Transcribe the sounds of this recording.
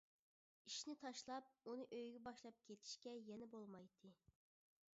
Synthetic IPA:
iʃnɪt̪ʰɑʃlˠɑp̚unɨʔøjɡʲɛbɑʃlˠɑp̚kʲʰet̪ʰi̥ʃkʲɛjɛnɛbolˠmɑjt̪ʰɨ

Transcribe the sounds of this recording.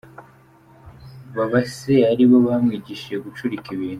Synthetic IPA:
βaβaseaɾiβo̞βamŋiːɟiʃeɡut͡ʃuɾikiβiːn̥hu

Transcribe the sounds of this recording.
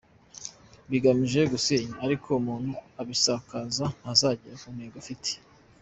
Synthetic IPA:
βiɡamiʒe̞ɡuseːɲaːɾikʰo̞umuːn̥huaβisaːkazahazaɟiɾakumheːɡofitʰe̥

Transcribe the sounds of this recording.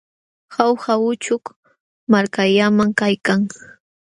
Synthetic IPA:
hawhawʊt͡ʃʊk | maɾkaʎamaŋkajkaŋ

